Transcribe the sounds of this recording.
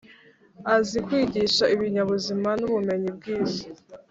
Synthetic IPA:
azikwiːɟiʃaʔiβiɲaβuzimanuβume̞ɲib̚ɡiːzi̥

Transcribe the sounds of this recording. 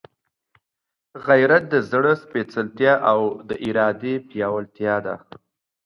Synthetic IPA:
ɣajɾat̪̚d̪əzɽəspet͡səlt̪jɑʔawd̪əʔɪɾɑd̪epjɑwəlt̪jɑd̪a̰

